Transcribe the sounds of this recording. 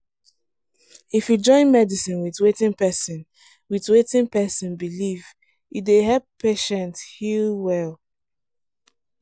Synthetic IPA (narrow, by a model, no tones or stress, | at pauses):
ifjud͡ʒɔ̃ɪ̃nmɛdisĩnwiðwetɪ̃ŋpɛsĩn | wiðwetĩnpɛsɔ̃nbiliv | jideɦɛppʰeʃɛ̃nthilwɛl